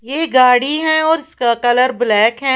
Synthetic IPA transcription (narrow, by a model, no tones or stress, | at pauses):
jeːɡaːɽiɦɛ̃ɔːɾɪskakɐləɾblɛːkɦɛ̃